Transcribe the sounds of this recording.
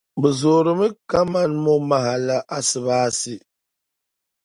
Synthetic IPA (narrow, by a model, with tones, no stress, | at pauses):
bɨ˨zo˨ɾɨ˦mɨ˦ka˦ma˦˨nmɔ˦ma˨ɦa˨la˦ʔa˦sɨ˨βaː˦si˦˨